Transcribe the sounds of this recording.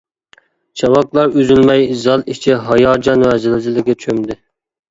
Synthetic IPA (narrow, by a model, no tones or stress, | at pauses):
t͡ʃʰɑwɑklˠɑɾøzylmɛjzɑlˠit͡ʃʰiɦɑjɑːd͡ʒɑnwæzɪlɪzɪlɪkʲɛt͡ʃʰømd̪ɪ